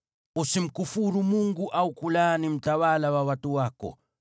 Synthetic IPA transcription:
usim̩kufuɾumuŋɡuʔaukulanim̩tawalawawatuwaːkɔ̰

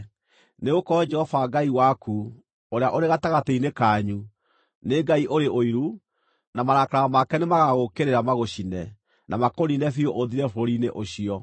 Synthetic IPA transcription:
neɣokɔd͡ʒɛhɔvaɡaiwaku | oɾeaʔoɾeɣataɣateinekaːɲu | neɡaiʔoɾeʔoiɾu | namaɾakaɾamakɛnemaɣaɣokeɾeɾamaɣoɕinɛ | nʔamakoɾinɛfioʔoðiɾɛfoɾineʔoɕiɔ

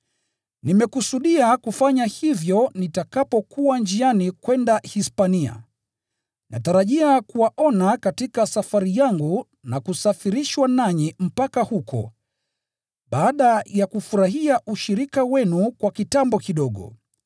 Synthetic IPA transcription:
nimɛkusuɗiakufaɲahivjɔnitakapɔkuwand͡ʒianikwɛndahispania̰ | nʔa̰taɾaʄiakuwaʔɔnakatikasafaɾijaŋɡu | nakusafiɾiʃwanaɲim̩pakahukɔ̰ | ɓaːɗajakufuɾaɦiaʔuʃiɾikawɛnukwakitambɔkiɗɔɠɔ̰

